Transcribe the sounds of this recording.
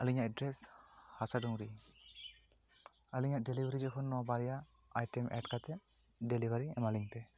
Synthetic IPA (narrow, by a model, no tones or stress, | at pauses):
əliɲaʔɛɖɾɛshasaɖuŋɾi | əliɲaʔɖelibʱaɾid͡ʒɔkʰɔnːɔwabaɾijaajʈɛmʔɛ̰ʈkat̪ɛʔɖelibʱaɾiɛ̰maliɲp̪ɛ